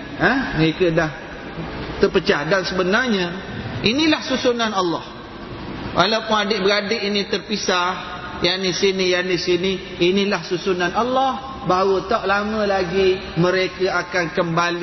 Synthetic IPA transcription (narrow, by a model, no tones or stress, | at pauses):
ə̃məɾekədah | t̪ərpət͡ʃahdansəbənarɲə̃ | inilahsusunanalːɔh | wʔalawpʊnadɪʔbəɾadeʔinit̪ərpisah | janisinijanisini | inilahsusunanalːɔh | baɦawət̪aʔlamə̃laɡimə̃ɾekəakankəmbali